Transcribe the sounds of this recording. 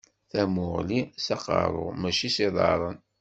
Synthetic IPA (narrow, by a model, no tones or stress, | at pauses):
θæmʊʁlisɑqɑ̰ɾˤo̰ʁmæʃisiðˤɑ̰ɾˤən